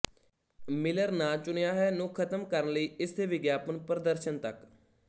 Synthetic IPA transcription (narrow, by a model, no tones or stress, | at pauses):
mɪləɾnaːt͡ʃʊnejaːɦɛːnũːkʰət̪əmkəɾənləiːɪst̪ʰeːʋɪɡjaːpənpɾəd̪əɾʃənt̪ək